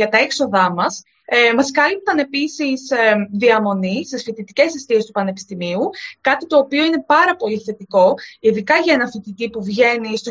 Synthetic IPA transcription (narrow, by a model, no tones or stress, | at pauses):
ɐt̪ɐekso̞ðɐmɐs | mɐskɐlip̚t̪ɐne̞pisisðiɐmo̞nist̪isfit̪it̪ice̞sest̪iest̪u̥pɐne̞pi̥st̪imiukɐt̪it̪o̞ːpio̞ine̞pɐɾɐpo̞liθe̞t̪iko̞iðikɐʝɐe̞nɐfit̪it̪ipuvʝe̞nist̪o